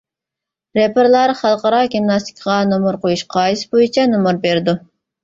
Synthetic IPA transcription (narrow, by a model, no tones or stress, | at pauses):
ɾepʰɪɾlˠɑɾχɑlˠqɑɾɑɡʲimnɑst̪ʰi̥kʲʰʁɑnomuɾqʰojuʃqʰɑːjisɨ̥bojit͡ʃʰɛnomuɾbeɾɪd̪u